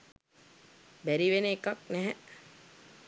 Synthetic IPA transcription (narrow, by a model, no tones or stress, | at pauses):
bæɾiʋenəekak̚nɛɦɛ